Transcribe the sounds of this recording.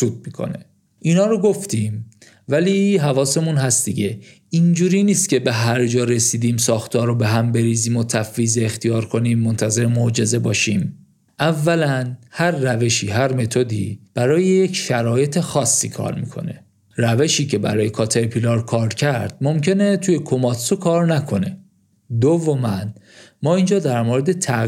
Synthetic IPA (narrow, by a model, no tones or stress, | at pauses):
suːd̪̚mikʰo̞̰nḛ | ʔinɒːɾoɡo̞ft̪im | væliɦævɒːse̞munɦæst̪d̪iɟe̞ | ind͡ʒuːɾiːniːst̪̚cʲe̞be̞ɦæɾd͡ʒɒːɾe̞siːd̪iːmsɒːxt̪ʰɒːɾobe̞ɦæmbe̞ɾiːziːmot̪ʰæfːiːzeːxt̪ijɒːɾkʰo̞niːmːont̪ʰæze̞ɾemod͡ʒe̞ze̞bɒːʃiːm | ʔævːælænhæɾːæve̞ʃiːɦæɾme̞t̪ʰo̞d̪iːb̥æɾɒːjejecʰʃæɾɒːje̞t̪ʰe̞xɒːsːiːkʰɒ̰ɾmḭːkʰo̞̰ne̞̰ | ræve̞ʃiːcʰe̞bæ̰ɾɒːje̞kʰɒːt̪ʰeepʰilɒɾkʰɒːɾd̪cʰæɾd̪̥̚mo̞mcʰe̞net̪ʰuːje̞kʰo̞mɒt̪sokʰɒːɾnækʰo̞ne̞ | d̪ovomæn | mɒːiːnd͡ʒɒːd̪æɾmoːɾe̞d̪e̞t̪ʰæ